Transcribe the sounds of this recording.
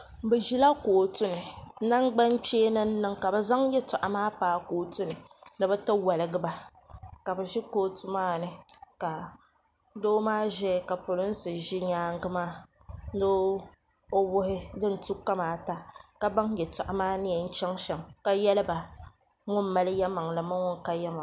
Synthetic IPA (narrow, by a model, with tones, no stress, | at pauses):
bɛ˨ʒi˦la˦koː˨tʊ˦nɨ˨˦na˦ŋ˦ɡ͡ba˦n˦t͡ʃeː˦nɨ˦n̩˦nɨ˦ŋka˨bɛ˨za˦ŋjɛ˦ta˨ʔa˨maː˦paː˦koː˨tʊ˦nɨ˨nɨ˨bɛ˦ta˦wa˨lɨ˨ɡɨ˦ba˦ | ka˨bɛ˨ʒi˦koː˦tu˦maː˦˨nɨ˨ka˨ | doː˦maː˦ʒɛ˦˨ka˨pʊ˨lʊ˦n̩˦sɨ˨ʒi˦ɲaː˦ŋ˦ɡɨ˦maː˦ | do˦ | o˦wʊ˦hɪ˦dɨ˦n̩˨tu˦kːa˦maː˨˦ta˦ka˦ba˦ŋjɛ˨ta˨ʔa˨maː˦nɪ˦jɛ˨n̩˦t͡ʃɛ˦ŋʃɛ˨ŋka˨jɛ˦lɨ˦ba˨ | ŋʊ˦m˦ma˦lɨ˦jɛ˦ma˨ŋla˨ma˦ŋʊ˦ŋ˦ka˨jɛ˦ma˨